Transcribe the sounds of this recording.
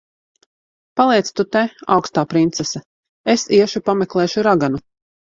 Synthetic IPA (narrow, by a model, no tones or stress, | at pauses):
palˠiɛt̪st̪ut̪ɛa̰wkst̪aːpɾint̪sɛsɛ | esiɛʃupamɛklˠeːʃuɾaɡanu